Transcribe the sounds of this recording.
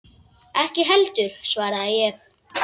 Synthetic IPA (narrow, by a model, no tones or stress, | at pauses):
ɛhcɪɦɛlt̪ʏɾ̥svaːɾaðajɛx